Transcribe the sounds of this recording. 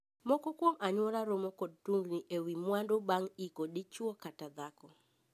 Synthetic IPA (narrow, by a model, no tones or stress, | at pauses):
mɔkɔkwomʔaɲwɔɾaɾomɔkɔd̚tuŋɡniʔewimwandobaŋikodɪt͡ʃwɔkatad̪akɔ